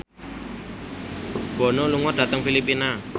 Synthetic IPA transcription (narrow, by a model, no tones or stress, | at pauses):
b̥ɔ̤noluŋɔd̥̪a̤t̪əŋfilipina